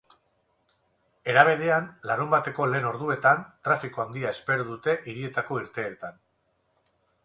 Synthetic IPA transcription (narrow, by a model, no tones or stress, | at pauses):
e̞ɾaβ̞e̞ðe̞anlaɾumbat̪e̞ko̞le̞ːno̞ɾðue̞t̪ant̪ɾafikoand̪iae̞spe̞ɾoðut̪e̞ʔiɾie̞t̪ako̞iɾt̪e̞ːt̪an